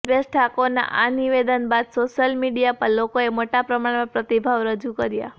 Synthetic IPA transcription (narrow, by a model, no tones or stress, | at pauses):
bəsʈʰakona̰ʔaniʋed̪ənbad̪soʃəlmiɖijapəɾlokoemoʈapɾəmaɽmãpɾət̪ibʱaʋɾəd͡ʒukəɾja̰